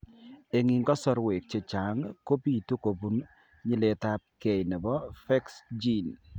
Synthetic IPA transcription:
e˨ŋi˨ŋɡɔ˦sɔ˦ɾwe˨k̚t͡ʃe˨t͡ʃa˨˦ŋko˦pi˦˨tu˦ko˨bu˦n | ɲɪ˦le˨ta˦p̚ke˨jnɛ˨bɔ˦fɛ˦ksd͡ʒi˦n

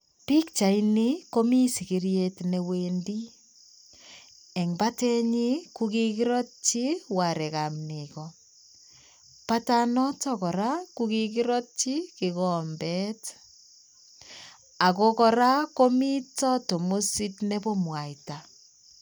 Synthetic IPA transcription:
pi˦kt͡ʃa˨ini˦ko˦mi˦si˨ki˦ɾje˦tne˨wendi˦ | ɛ˨ŋba˦tɛ˦ɲi˦ku˦ki˦ki˦ɾɔ˦t̚t͡ʃi˦wa˨ɾɛ˨ka˨mnikɔ | pa˦tanɔ˦tɔ˦kɔ˨ɾa˦kuki˦ki˦ɾɔ˦t̚t͡ʃi˦kɪ˨ɣɔ˨mbɛ˦t | a˨kokɔ˨ɾa˦ko˦mi˦tɔ˦to˨mo˦si˦tne˦bɔ˦mwa˨ita˨

